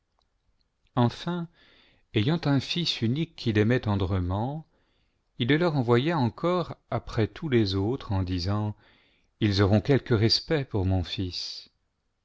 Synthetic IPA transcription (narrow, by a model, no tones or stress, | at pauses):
ɑ̃fɛ̃ | ejɑ̃t̪ɛ̃fisynikʰʲːilɛmɛt̪ɑ̃d̪ʁəmɑ̃ | ilːəlœʁɑ̃vwajaɑ̃kʰɔʁapχɛt̪ʰulezot̪χɑ̃d̪izɑ̃ | ilzɔʁɔ̃kʲɛlkəʁɛspɛpuʁmɔ̃fis